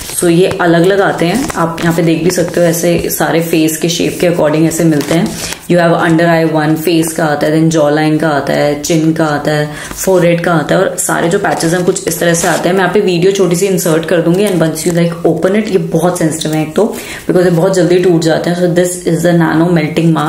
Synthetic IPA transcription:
soːjeʔɐləɡɐləɡaːt̪eɦɛ̃aːpjɐɦãːped̪eːkʰbʱisɐk̚t̪eɦoɛːsesaːɾefeːskeʃḛːp̚keɐkɔːɾɖɪ̃ŋɡɛːsemɪlt̪eɦɛ̃ː | juːɦɛːʋɐ̰̃ɳɖəɾaːɪʋɐ̃nfeːskaaːt̪aɦɛd̪ɛ̃nd͡ʒɔːlaːɪ̃nkaaːt̪a̰ɦɛt͡ʃɪ̃nkaaːt̪aɦɛː | fɔːɾɛɖkaaːt̪aɦɛɔːɾsa̰ːɾʔed͡ʒoːpæːt͡ʃɪzɛ̃mkʊt͡ʃʰɪst̪ɐɾəɦseaːt̪eɦɛ̃mɛ̃aːpeʋiːɖiot͡ʃʰoːʈis̬iɪ̃nsəːɾʈkɐɾd̪ũːŋɡiɛ̃nbɐ̃nsjulaɪkoːpə̃nɪʈjebɔːɔt̪sɛ̃nsɪ̥ʈɪʋɦɛ̃eːk̚t̪o | b̥ɪkɔːzjebɔːt̪̚d͡ʒɐld̪iʈuːʈd͡ʒaːt̪eɦɛ̃sod̪ɪsɪzd̪ənæ̰ːnoːmɛlʈɪ̃ŋɡmaː

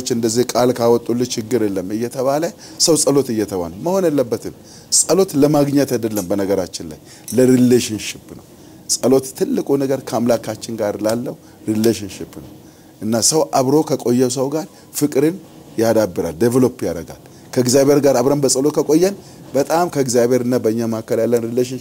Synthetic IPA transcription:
t͡ʃːɨnd̪əzːihkʼalkʰawɔt̪ʼːulːɨt͡ʃɪɡːɨɾelːəmɨjːɛt̪ʰəβalə | səwsʼəlo̞t̪ɨjːɛt̪ʰəβa̰nəməho̞nelːəbːət̪ʰɨm | sʼəlo̞t̪ləmaɡɲɛt̪ajd̪əlːəmbənəɡəɾat͡ʃːɪnla̰j | ləɾileʃɪnʃɪpːnə̰w | sʼəlo̞t̪t̪ʰːɨlːɨkʼunəɡəɾkʰəamlakʰat͡ʃːɪnɡaɾlalːəhu | ɾileʃ̬ɪnʃɪpːnəw | ʔɨnːasəwʔaβɾo̞kʰəkʼo̞jːɛs̬əwɡaɾ | fɨkʼɾɨn | jad̪abːɨɾa̰ld̪evlo̞pːjaɾəɡa̰l | kʰəɨɡzjaβe̞ɾɡaɾaβɾəmbəsʼəlo̞t̪kʰəkʼo̞jːɛn | bət̪ʼamkʰəɨɡzjaβe̞ɾɨnːabəɨɲːamahkːəljalːənɾileʃ̬ɪn

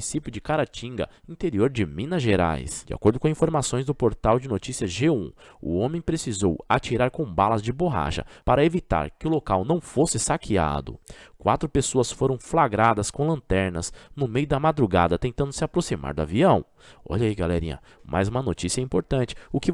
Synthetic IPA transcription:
isipjʊd͡ʒɪkaɾat͡ʃĩŋɡɐ̰ | ĩnt̪eɾioɾd͡ʒɪmĩnɐʒeɾa̰jsd͡ʒɪa̰koɾd̪ʊkõĩfoɾmasõj̃zd̪ʊpoɾt̪awd͡ʒɪnot͡ʃisiɐʒeũʊ̰õmẽj̃pɾesizowa̰t͡ʃiɾaɾkõw̃balɐzd͡ʒɪboɦa̰ʃɐ̰paɾɐevit̪a̰ɾkɪʊlokawnɐ̃w̃fosɪsakʰia̰d̪ʊ̰kwa̰t̪ɾʊpesoɐsfoɾɐ̃w̃flaɡɾad̪ɐskõw̃lɐ̃nt̪ɛɾnɐ̰snʊmejʊd̪ɐmad̪ɾuɡa̰d̪ɐt̪ẽnt̪ɐ̃nd̪ʊ̥sɪapɾosima̰ɾd̪ʊa̰viɐ̃w̃ | ɔ̰ʎɐiɡalɛ̰ɾḭ̃ɐ̰ | mʔa̰jzũmɐnot͡ʃisiɐɛĩpoɾt̪ɐ̃nt͡ʃɪ̥ʊkɪ

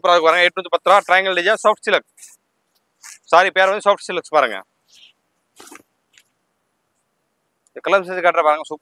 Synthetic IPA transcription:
pɐɾaːðɯkːpaɾɯːŋɡɐɛʈːnut̪ipɐt̪ːɾãːʈɾaːjŋɡɐlɖɪd͡ʒãːsoːfʈsɪlɐks | saːɾipeːɾʋɐnd̪isoːfʈsɪlɐkspaːɾɯŋɡɐ̰ | kɐlɐms̬eskaːʈɾɐpaːɾɯːŋɡɐsup

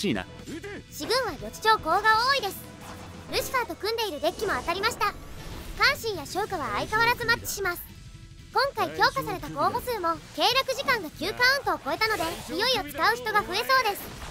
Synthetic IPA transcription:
iːna̰ | ɕiɡɯ̟̃ɰ̃β̞aɾʲo̞t͡ɕi̥t͡ɕo̞ːko̞ːɡaoːid̪e̞sɨ̥ | ɾɯ̟ɕi̥sat̪o̞kɯ̟̃nd̪e̞iɾɯ̟d̪e̞kʲːimo̞at̪aɾʲimaɕi̥t̪akãɰ̃ɕĩɰ̃jaɕoːkaβa̰ːikaβaɾazɨmat͡ɕːi̥ɕimasɨ̥ | kõ̞ŋkaikʲo̞ːkasaɾe̞t̪ako̞ːɦo̞sɨːmo̞ke̞ːɾakɯ̟ʑikãŋɡakʲɨːkaɯ̟̃nt̪o̞ːko̞e̞t̪ano̞d̪e̞ijo̞io̞t͡sɨ̥kaɯ̟çi̥t̪o̞ɡaɸɯ̟e̞so̞ːd̪e̞sɨ̥

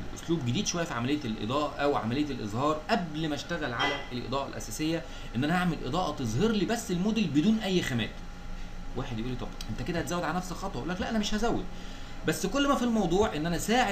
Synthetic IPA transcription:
lʔo̰sluːbɡed̪iːd̪ʃowæjːæfiʕamælejːælʔḛd̪ˤæːʔɑʔæwʕa̰mælejːæelʔḛzˤhɑːɾˤʔæblmæʃt̪æɣælʕalæelʔḛd̪ˤæːʔɑ̰lʔæ̰sæːsejːæ | ʔenːʔænæhaʕmelʔḛd̪ˤɑːʔɑt̪ezˤheɾliːbæsːelmod̪elbed̪uːnʔæjːxæmæːt̪ | waːħed̪jʔuːlːiːt̪ˤɑbʔent̪æked̪æhæt̪zæːwːæd̪ʕalænæfsxɑt̪ˤɑʔolːæklæʔænæmeʃhæzæwːed̪̚ | bæsːkolːmæfilmɑwd̪ˤuːʕʔenːʔænæsaːʕe

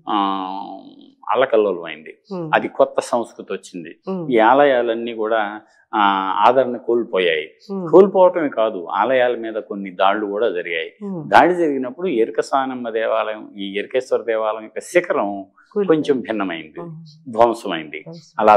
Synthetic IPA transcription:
ɐ̰lːɐkɐlːɐlɐmɐjind̪iɐd̪ikɔt̪ːɐsɐ̃w̃skɾut̪iʋot͡ʃːind̪iiːaːlɐjaːlɐnːiːkuːɽaː | a̰ːd̪ʱɐɾɐɳɐkoːlpɔːjaːji | koːlpɔːʋɐʈɐmeːkaːd̪ua̰ːlɐjaːlɐmiːd̪ɐkonːid̪aːɭːukuːɽaːd͡ʒɐɾiɡa̰ːjid̪aːɽid͡ʒɐɾiɡinɐpːuɽueɾikɐsaːnɐmlɐd̪ɛːʋaːlɐjɐmiːeɾikeːsʋɐɾɐd̪ɛːʋaːlɐmikːɐsikɐɾɐm | ko̞ɲt͡ʃembʱinːɐmɐjind̪id̪ʱʋɐmsɐmɐjind̪iɐlaː

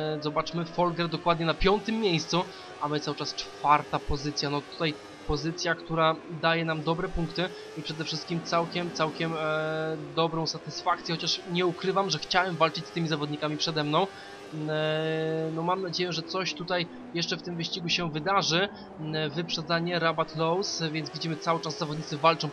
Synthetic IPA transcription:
zɔbat͡ʂmɘfɔlɡɛɾd̪ɔkwad̪ɲɛnapʲjɔnt̪ɘmːjejst̪su | amɘt̪sawɘt͡ʂast͡ʂfaɾt̪apɔzɘt̪sʲjanɔt̪u̥t̪aj | pɔzɘt̪sʲjakt̪uɾad̪ajɛnamd̪ɔbɾɛpuŋkt̪ɘ | ipʂɛd̪ɛfʂɘst̪kʲimt̪sawkʲɛmt̪sawkʲɛm | d̪ɔbɾɔ̃w̃sat̪ɘsfak̪̚sʲjɛxɔt͡ɕaʂɲɛukɾɘvamʐɛxt͡ɕawɛmvalt͡ʂɘt͡ɕst̪ɘmʲizavɔd̪ɲikamʲipʂɛd̪ɛmnɔ̃w̃ | nɔmamnad͡ʑejɛʐɛt̪sɔɕt̪ut̪aj | jɛʂt͡ʂɛft̪ɘmvɘɕt͡ɕiɡuɕɛvɘd̪aʐɘ | vɘpʂɛd̪zaɲɛɾabat̪lɔwsvʲjɛnt̪zvʲid͡ʑimɘt̪sawɘt͡ʂazːavɔd̪ɲit̪sɘvalt͡ʂɔ̃w̃

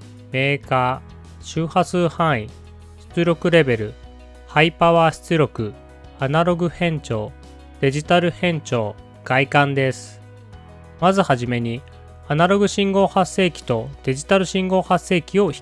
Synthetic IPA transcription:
me̞ːkaː | ɕɨːhasɨːhãɰ̃i | ɕi̥t͡sɨɾʲo̞kɯ̟ɾe̞be̞ɾɯ̟ | haipaβaːɕi̥t͡sɨɾʲo̞kɯ̟ | anaɾo̞ɡɯ̟hẽ̞ɲt͡ɕo̞ː | d̪̥e̞ʑit̪aɾɯ̟hẽ̞ɲ̟t͡ɕo̞ː | ɡ̥aikãnd̪e̞sɨ̥ | mazɨhaʑime̞ɲ̟i | anaɾo̞ɡɯ̟ɕĩŋɡo̞ːhasːe̞ːkʲi̥t̪o̞d̪̥e̞ʑit̪aɾɯ̟ɕĩŋɡo̞ːhasːe̞ːkʲio̞çi̥

